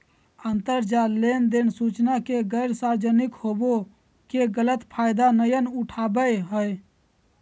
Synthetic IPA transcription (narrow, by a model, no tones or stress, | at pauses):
ənt̪əɾd͡ʒalend̪ensut͡ʃnakeɡəɪɾsaɾd͡ʒənikhobo | keɡələt̪pʰajd̪anəjənuʈʰabəɦəj